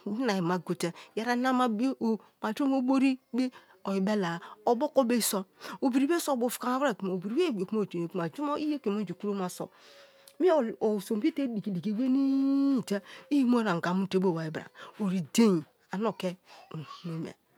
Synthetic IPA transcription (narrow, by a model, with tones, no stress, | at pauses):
na˨ji˨ma˨ɡo˨te˦ja˦ɾa˦na˦ma˦bo˦ma˨d͡ʒo˦mo˦bo˦ɾi˦be˦ | o˨ji˨be˦la˨o˨bo˦ko˦be˦so˦o˨bi˨ɾi˨be˦so˦˨bo˨fu̥˨ka˨a˨˦ba˦˨ku˨ma˨o˨bi˨ɾi˨˦e˦˨o˨kmo˦˨te˨ne˨ku˦ma˨d͡ʒu˦mo˦i˦je˦ke˨mo˦n˦d͡ʒi˨ku˦ɾo˦ma˨so̰˨ | mi˦˨o˨so˨m˨bi˦te˦di˨ki˨di˨ki˨we˦ni˦˨te˦i˦ji˦mo˦a˨ŋ˨ɡa˨mu˦˨te˦bo˦˨wa˨i˨bɾa̰˨o˨ɾi˨de˦ji˨ | a˨no˦˨ke˦˨hno˦mḛ˨